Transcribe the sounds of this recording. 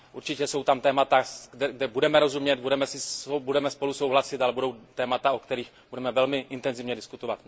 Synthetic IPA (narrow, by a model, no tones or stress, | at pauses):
ʔuɾt͡ʃɪcɛso̞wt̪amt̪ɛːmat̪adɛɡdɛbudɛmɛɾo̞zumɲɛt̪̚budɛmɛsɪbudɛmɛspo̞luso̞wɦlasɪt̪alɛbudo̞wt̪ɛːmat̪aokt̪ɛɾiːx | budɛmɛvɛlmɪʔɪnt̪ɛnzɪvɲɛdɪskut̪ovat̪